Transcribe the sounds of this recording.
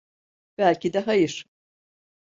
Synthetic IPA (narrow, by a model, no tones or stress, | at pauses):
b̥ælʲcid̪ɛɦajɯɾ̥